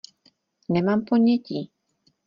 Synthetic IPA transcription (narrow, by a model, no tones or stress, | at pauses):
nɛmampoɲɛciː